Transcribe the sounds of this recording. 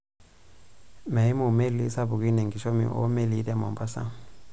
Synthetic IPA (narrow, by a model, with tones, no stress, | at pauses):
mɛ˨i˦mu˨me˦li˦sa˦βu˨ki˦nɛ˨ŋɡi˨ʃo˦mḭ˨ʔo̰˦me˦li˨˦tɛ˦˨mɔ˨mba˦sa̰˦